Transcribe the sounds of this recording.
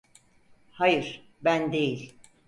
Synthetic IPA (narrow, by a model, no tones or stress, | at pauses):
hajɯɾ̥ | bænd̪e̞jilʲ